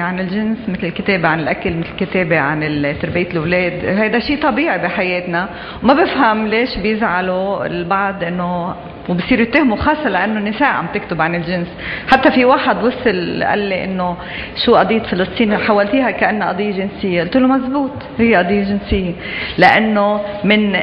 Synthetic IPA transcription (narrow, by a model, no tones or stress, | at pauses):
ʕanɪlʒɪnsmɪt̪lɪlkɪt̪eːbeʕanɪlʔakalmɪt̪lɪlkɪt̪eːbeʕa̰nɪlt̪ːʊɾbijːt̪lwleːd̪hajd̪aʃiːt̪ˤɑbiːʕibiħajeːt̪na | wmabɪfhamleːʃbjɪzʕaloɪ̰lbaʕd̪ˤʔɪnːo | wbisˤiːɾjɪt̪ːeːhmuxɑːsˤːɑlaʔanːonːɪseːʔʕa̰mbt̪ɪkt̪ʊbʕanɪlʒɪnsħat̪ːafiwaːħad̪wʊsˤːɪlʔa̰lːeʔɪ̰nːo | ʃuːʔɑd̪ˤiːt̪fɪlɨsˤt̪ˤiːnħawːalt̪iːɦakaʔanːaʔɑ̰d̪ˤijːaʒɪnsɪjːʔʊlt̪uːlːumazbuːt̪ˤ | hɪjːeʔɑd̪ˤijːʒɪnsɪjːe | laʔanːomɪn